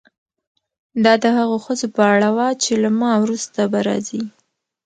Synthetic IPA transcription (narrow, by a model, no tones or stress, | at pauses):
d̪ɑd̪əhaɣoxəzopəaɽawat͡ʃelamɑwɾust̪abaɾɑ̰zi